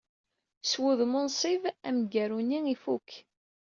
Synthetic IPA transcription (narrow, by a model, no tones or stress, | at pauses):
swuðmʊnsˤivæmɡæɾuniifuk